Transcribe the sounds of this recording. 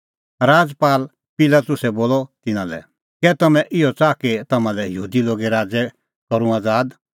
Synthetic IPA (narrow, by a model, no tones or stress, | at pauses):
ɾaːd͡zpaːl | pɪlat̪ʊsɛboːlɔt̪ɪnãlɛ̰ | kɛt̪ɐmɛ̃ʔɪɔt͡saːket̪ɐmãlɛjəɦuːd̪iloːɡeɾaːd͡zɛ | kɔɾũaːd͡zaːd̪